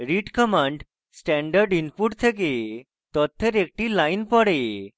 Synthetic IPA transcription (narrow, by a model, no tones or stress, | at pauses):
ɾiʈkəmãɳɖ | sʈɛɳɖəɾɖinpuʈt̪ʰeke | t̪ɔt̪ʰːeɾek̚ʈilajnpɔɽe